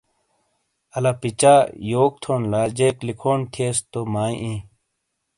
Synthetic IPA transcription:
ɐlaːpit͡ɕaːjoːk̚t̪ʰoːnlaːd͡ʑeːklikʰoːnt̪ʰeːst̪omaːĩʔĩː

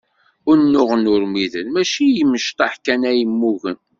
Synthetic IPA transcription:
ʊɾnːʊʁənʊɾmiðənmæʃijəmːəʃt̪ˤɑħkænæjəmːuʝən

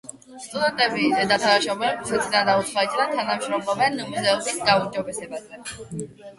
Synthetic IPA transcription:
st̪ʼud̪ɛnt̪ʼɛbizɛd̪at̪ʰanaʃɔbɛnɛt̪sʰʼd̪and̪aut̪sʰlait̪ʼɾat̪ʰanamʃɾɔmlˠɔbɛnumzɛɔbisɡaund͡ʒɔbɛsɛbazɛ

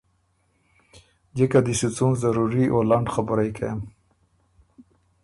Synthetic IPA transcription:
d͡ʒekad̪isit͡sũzaɾuɾiʔolaɳɖxabʊɾajkʰa̰jam

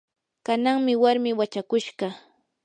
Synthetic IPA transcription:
kanaŋmɪwaɾmɪwat͡ʃakʊʃɢɑ

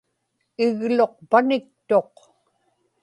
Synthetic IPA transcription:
ɪɣlo̞q̚panɪk̚t̪o̞q

